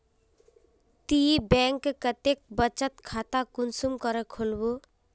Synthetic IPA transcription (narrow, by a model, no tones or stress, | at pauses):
t̪ibɛ̃ŋkkət̪ek̚bət͡ʃət̪kʰat̪akʊnsumkəɾəkʰolbo